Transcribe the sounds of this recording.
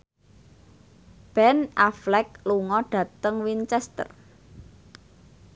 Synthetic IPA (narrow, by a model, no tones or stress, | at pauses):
b̥ɛnaflɛk̚luŋɔɖ̥ä̤t̪əŋwint͡ʃɛst̪ə̰r